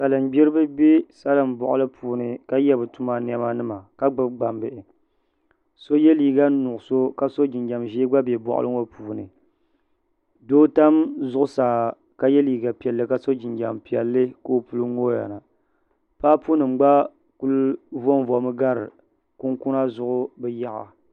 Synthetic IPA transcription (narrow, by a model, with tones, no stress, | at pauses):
sa˨lɨ˨m˦bi˦ɾɨ˦bɨ˦bɛ˦sa˦lɨ˨m˨bɔ̰˨ʔʊ̰˦lɨ˦pʰuː˨nɨ˨ka˦jɛ˦bɨ˨tu˦ma˨n˦ɛ˦ma˦nɨ˦ma˨ka˦ɡ͡bɨ˨ɡ͡ba˨mbɨ˨ʔɪ˨ | so˦jɛ˦liː˨ɡa˦nʊ˨ʔʊ˨so˦ka˦so˦d͡ʒi˨nɡa˨mʒe˦ɡ͡ba˦bɛ˨bɔ̰˨ʔʊ̰˦lʔɨ˦ŋo˦pʰuː˨nɨ̰˨ | doː˦ta˦mzʊ˦ʔʊ˦saː˨ | ka˦jɛ˦liː˨ɡa˨pi˨ɛ˨lːɨ˨ka˦so˦d͡ʒi˨nɡa̰˨mpi˨ɛ˨lːɨ˦ko˦o˦˨pu˦lɨ˦ŋo˦ja̰˨na˨ | pa˦pu˦nɨ˨m˦ɡ͡ba˦ | ku˦lvo˦n˦vɔ˨mɨ˦ɡa˦ɾɨ˨ | ku˦ŋku˦na˦zʊ˦ʔʊ˦bɛ˦ja˦ʔa̰˨